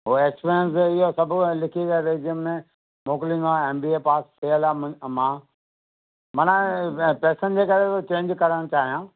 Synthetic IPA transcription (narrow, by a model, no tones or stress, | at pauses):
ɦoeːkspiɾjə̃ns̬ɪɦosɐbʱʊlɪkʰikɐɾeːd͡ʒijəmmːẽ | moːklĩːnd̪oaeːmbiːepaːst̪ʰeəlammãː | mɐnãpɛːsənd͡ʑekɐɾet̪ot͡ɕẽːɲd͡ʑkɐɾəɽ̃t͡ɕaːɦijãː